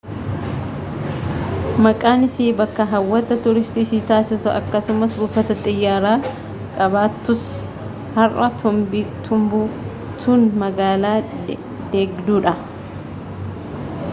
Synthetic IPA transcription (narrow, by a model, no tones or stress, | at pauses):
mɐkʼaːnɪsiːbɐkːɐɦɐwːɐt̪ːɐt̪ʊɾɪst̪isiːt̪aːsɪsʊʔɐ̰kːɐsʊmɐsbʊfɐt̪ɐt̪ʼɪjːaːɾaː | kʼɐβaːt̪ːʊs | hɐrɐt̪ʊmbit̪ʰʊmbu | t̪ʰunmɐɡaːlaː | d̪̥eːɡd̪uːᶑɐ